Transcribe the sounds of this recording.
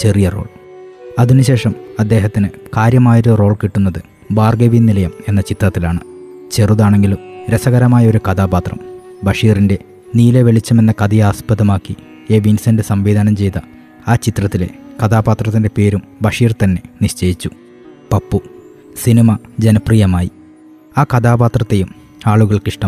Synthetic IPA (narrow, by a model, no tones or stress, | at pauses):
t͡ɕe̞rijɐro̞̰ːɭɐðinuɕe̞ːʂɐmɐd̪ːe̞ːɦɐt̪ːinɨkaːɾjɐmaːjoɾuro̞ːɭkiʈːunːɐðɨ | baːrɡeʋinːilɐjɐme̞nːɐt͡ɕit̪rɐt̪ːilaːɳɨ | t͡ɕe̞ruðaːɳe̞ŋɡilumɾesɐɣɐɾɐmaːjɐo̞ɾukɐd̪aːbaːt̪rɐ̰m | bɐʂiːrinde̞ | niːleʋeɭit͡ɕːɐme̞nːɐkɐd̪ijaːspɐðɐmaːkːi | e̞ːʋinsɐndɨsɐmʋiːd̪ʱaːnɐmt͡ɕe̞jt̪ɐ | aːt͡ɕit̪rɐt̪ːile̞̰kɐd̪aːbaːt̪rɐt̪ːindepe̞ːɾumbɐʂiːrt̪ɐnːe̞niɕt͡ɕeːjit͡ɕːu | pɐpːu | sinimɐd͡ʑenɐprijɐmaːji | aːkɐd̪aːbaːt̪rɐt̪ːe̞jum | aːɭuɣɐɭkiʂʈɐm